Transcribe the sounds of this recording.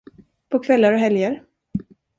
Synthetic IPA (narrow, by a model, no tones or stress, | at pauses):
pʰɔkʰvɛlːaɾɔɦɛljəɾ